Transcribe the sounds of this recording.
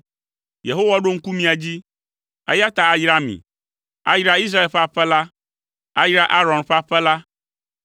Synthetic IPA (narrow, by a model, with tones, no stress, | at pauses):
je˨ɦo˦wa˦ɖo˦ŋ̩˦ku˦mĩ˦a˨d͡ʑi˦ | ɛ̰˦ja˦t̪a˨a˨jɾa˦mḭ̃˨ | a̰˦jɾa˦i˦s̬ɾa˦e˨lɸa˦ɸɛ˦la˦ | a˦jɾa˦ʔa˦ɾɔ̃˨nɸa˦ɸɛ˦la˦